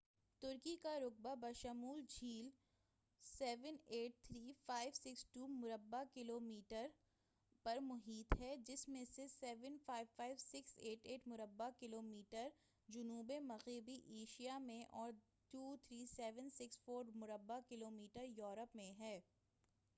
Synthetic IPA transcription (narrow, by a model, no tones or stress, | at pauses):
t̪ʊɾkikaɾʊk̚babɐʃəmuːld͡ʒʱiːl | sɛːʋəneːʈ̚t̪ʰɾiːfaːɪʋsɪksʈuːmʊɾəbːakɪloːmiːʈəɾ | pɐɾmʊɦiːt̪ɦɛːd͡ʒɪsmẽsesɛːʋənfaːɪʋfaːɪʋsɪkseːʈeːʈmʊɾəbːakɪloːmiːʈəɾ | d͡ʒʊnuːbemɐɣeːbiʔeːʃijamẽʔɔːɾ | ʈuːt̪ʰɾiːsɛːʋənsɪksfoːɾmʊɾəbːakɪloːmiːʈəɾjɔːɾəpmẽɦɛː